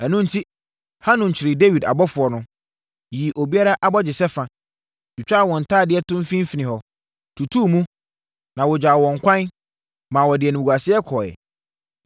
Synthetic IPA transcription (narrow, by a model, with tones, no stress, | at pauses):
æ˨nʊ̃˦n̩˦tʰi˦ | hã˦nʊ̃˨ɲ̩˨t͡ɕʰɪ˨ɾɪ˨de˦wi˨da̰˨bɔ˦fʊ˨ɔ˨nʊ̃˦ | ji˨ʔo˨bi˦a˦ɾa˦ʔa˨bɔ˦d͡ʑɪ˨sɛ˦fã˨ | t͡ʃᶣi˨t͡ɕᶣa˦˨wɔ̃˨n̩˨tʰaː˦˨dɪ˦ɛ˦tʰʊ̃˦m̩˦fĩ˦m˦fi˨nɪ̃˨hɔ˨ | tʰu˨tʰuː˦˨mũ˦ | nã˨wʊ˨d͡ʑaː˨wɔ̃˨ŋ̩˨kʷʰã˦n | mãː˨wɔ˨dɪ˨ɛ˨nʊ̃˨a˨sɪ˦ɛ˦kʰɔ˨ɛ̰˨